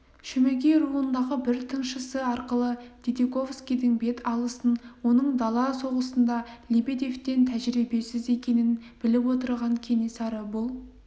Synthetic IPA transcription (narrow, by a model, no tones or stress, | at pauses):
ʃɵmeɡʲejrulənd̪ɑʁəbɪɾt̪ʰənʃəsəɑɾqəlˠəd̪̥ʲed̪eko̞fskʲijd̪ɪŋbe̞t̪ʰɑlˠəsənwo̞nəɴd̪ɑlˠɑso̞ʁəsənd̪ɑlʲebed̪e̞ft̪e̞nt̪ʰæʒɪɾibe̞sɪze̞kʲe̞nɪnb̥ɪlɪpwo̞t̪əɾʁɑŋkʲʰe̞nesɑɾəbʊlˠ